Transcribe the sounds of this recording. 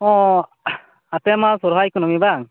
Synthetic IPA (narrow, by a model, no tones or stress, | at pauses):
ɔ̃ | at̪ɛmasɔɾɦajkunɔmibaŋ